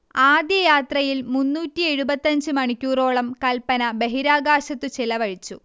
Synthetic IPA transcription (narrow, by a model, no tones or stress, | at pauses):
aːd̪jɐjaːt̪rɐjilmunːuːtːie̞ɻubɐt̪ːɐɲd͡ʑɨmɐɳikʲːuːro̞ːɭɐmkɐlpːɐnɐbe̞ɦiɾaːɡaːɕɐt̪ːut͡ɕelɐʋɐɻit͡ɕːu